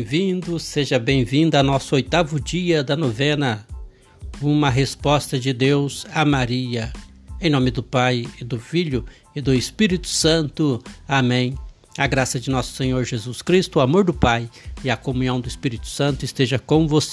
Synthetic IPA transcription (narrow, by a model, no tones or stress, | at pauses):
vĩd̪ʊseʒɐbẽj̃vĩnd̪ʊanɔsʊojt̪avʊd͡ʒiɐd̪ɐnovẽnɐ | ũmɐɦespɔst̪ɐd͡ʒɪd̪ewzamaɾiɐ | ẽj̃nõmɪd̪ʊpajɪd̪ʊfiʎʊ | ɪd̪ʊɪspiɾit̪ʊ̥sɐ̃nt̪ʊamẽj̃ | aɡɾasɐd͡ʒɪnɔsʊ̥sẽɲoɾʒezuskɾist̪ʊamoɾd̪ʊpajɪɐkomũɲɐ̃w̃d̪ʊɪspiɾit̪ʊ̥sɐ̃nt̪ʊɪst̪eʒɐkõw̃vos